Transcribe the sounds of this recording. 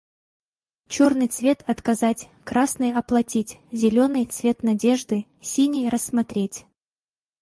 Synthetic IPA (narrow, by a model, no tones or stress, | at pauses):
t͡ɕornɨjt̪svʲe̞t̪ɐt̪kɐzatʲ | kɾasnɨjɐplˠɐtʲitʲzʲɪlʲo̞nɨjt̪svʲe̞t̪nɐdʲe̞ʐd̪ɨ | sʲinʲejɾəsːmɐt̪ɾʲetʲ